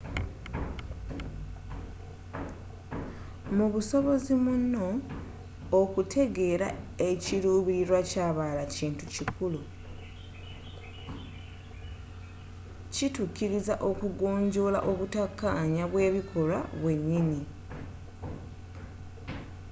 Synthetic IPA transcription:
muβuso̞βo̞zimunːo̞ː | kutʰe̞ɡe̞ːɾae̞ciɾuːβiɾiɾwacaːβalaciːntucikulu | cituciɾizaʔo̞kuɡo̞ːɲɟo̞la̰ʔo̞βutakːaɲaβwe̞ːβikʰo̞la̰βwe̞ɲːini

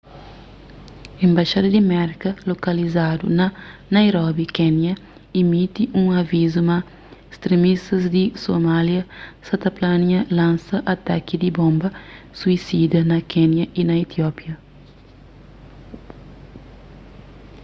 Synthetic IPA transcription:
ẽmbaʃad̪ɐd̪imɛɾkɐlokɐlizad̪ṵnɐnajɾɔbikɛnjɐ | imit̪iʔũŋɐvizumɐ | est̪ɾemist̪ɐzd̪isomaljɐsɐt̪ɐplanjɐlãnsɐʔat̪a̰kid̪ibõmbɐ | suisid̪ɐnɐkɛnjɐʔinɐit̪jɔpjɐ

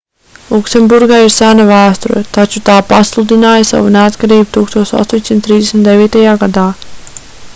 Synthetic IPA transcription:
lˠuksembuɾɡaiɾsanavæːst̪ɔɾɛ̰t̪at͡ʃut̪aːpaslˠud̪inaːjasa̰vuneat̪kaɾiːbut̪uːkst̪uɔsa̰st̪oːɲʲsimt̪ɾiːzd̪ʲesmit̪d̪eviːt̪ajaːɡad̪aː

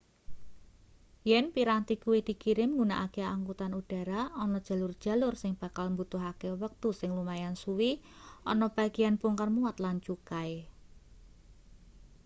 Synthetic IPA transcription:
jɛnpiɾant̪ikuwid̪̥i̤kiɾɪmŋɡuna̰ʔakeaŋkut̪anuɖ̥a̤ɾaɔnɔd̥ʒ̥a̤lʊrd̥ʒ̥a̤lʊrsɪŋb̥a̤kalmbut̪ʊɦakewək̚t̪usɪŋlumajansuwiɔnɔb̥a̤ɡ̥ijanpʊŋkarmuat̪lant͡ʃukaj

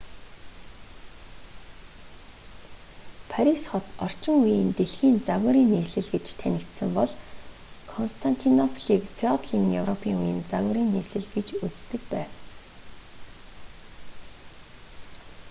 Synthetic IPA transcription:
pʰaɾisχɔt̪ɔr̥t͡ɕɪ̆ŋujiːnt̪eɮxiːnt͡saɣə̆ɾiːnːiːsɮɘ̆ɮɡĕt͡ɕt̪ʰænʲɪ̆kt̪sɘ̆mpɔɮ | kʰɔnst̪ʰan̥t̪ʰinɔpʰɮiːkfʰiɔt̪ɮiːŋjɵwrɔpʰiːŋujĭnt͡saɣə̆ɾiːnːeːsɮɘ̆ɮɡet͡ɕut͡st̪ɘ̆kpæːw

